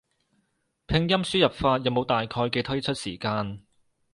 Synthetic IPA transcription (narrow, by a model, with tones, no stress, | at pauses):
pʰɪ˧ŋjɐ˥msyː˥jɐ˨p̚faː˧t̚jɐ˨wmo˨˧wt̪aː˨jkʰɔː˧jkɛ˧t̪ʰɵ˥ɥt͡ʃʰɵ˥t̚sḭː˨˩kaː˧n